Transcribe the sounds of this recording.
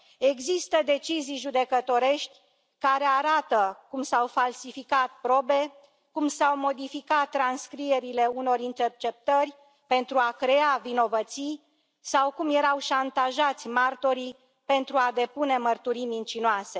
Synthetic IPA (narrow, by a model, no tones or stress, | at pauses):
e̞ɡzist̪əd̪e̞t͡ʃizijʒud̪e̞kət̪o̞ɾe̞ʃt̪ʲ | kaɾe̞aɾat̪əkumsawfalsifikat̪̚pɾo̞be̞ | kumsawmo̞d̪ifikat̪ːɾanskɾije̞ɾile̞uno̞ɾint̪e̞rt͡ʃe̞p̚t̪ərʲ | pe̞nt̪ɾuakɾe̞avino̞vət̪sij | sawkumje̞ɾawʃant̪aʒat̪sʲmart̪o̞ɾi | pe̞nt̪ɾuad̪e̞pune̞mərt̪uɾijmint͡ʃinoase̞